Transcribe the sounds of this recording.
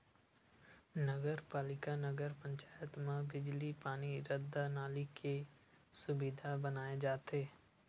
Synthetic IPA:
nəɡəɾpaːlɪkanəɡəɾpə̃ɲt͡ʃaːjət̪mẽbɪd͡ʒlipaːniɾəd̪anaːlikʰe | sʊbɪd̪ʱabənaːed͡ʒaːt̪eː

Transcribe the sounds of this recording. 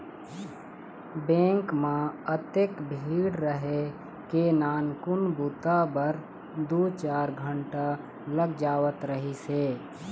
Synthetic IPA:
bẽːŋkmãət̪ekbʱiːɽɾəɦe | kenaːnkʊnbut̪abəɾ | d̪oːt͡ʃaːɾɡʱəɳʈa | ləɡd͡ʒaːʋət̪ɾəɦiseː

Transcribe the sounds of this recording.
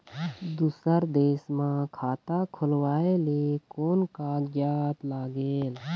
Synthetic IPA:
d̪uːsəɾd̪eːsmãkʰaːt̪akʰʊlwaːeleːkoːnkaːɡjaːt̪laːɡeːl

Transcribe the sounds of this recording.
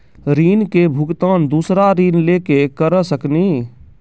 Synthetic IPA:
ɾiːnkebʱʊkt̪aːnd̪uːsɾaɾiːnleːkekəɾəsəkniː

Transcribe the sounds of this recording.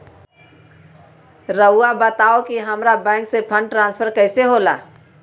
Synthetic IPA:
ɾəabət̪aːokiɦɐmɾabɛ̃ːŋksepʰə̃ɳɖ̚ʈɾãːnspʰəɾkɛːseɦoːla̰ː

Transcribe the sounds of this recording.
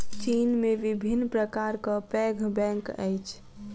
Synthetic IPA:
t͡ʃinmeʋibʱinːpɾəkaɾkəpɛɡʱbɛ̃ŋkə̰jt͡ʃʰ

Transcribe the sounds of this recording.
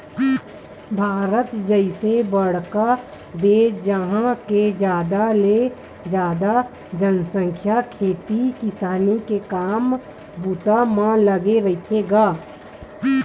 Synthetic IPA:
bʱaːɾət̪d͡ʒəɪsebəɽka | d̪ed͡ʒəɦãked͡ʒjaːd̪ale | d͡ʒjaːd̪a | d͡ʒənsə̃ŋkʰjakʰeːt̪ikɪsaːnikekaːm | but̪amãləɡeɾəɪt̪ʰeɡaː

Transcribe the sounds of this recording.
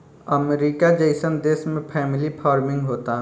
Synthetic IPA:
əmɾiːkad͡ʒəɪsənd̪eːsmẽpʰɛːmɪlipʰaːɾmɪ̃ŋɡɦoːt̪aɦ

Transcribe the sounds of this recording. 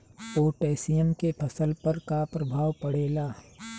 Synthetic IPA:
poːʈeːsijəmkepʰɐsəlpɐɾkapɾɐbʱaːwpɐɽeːlaː

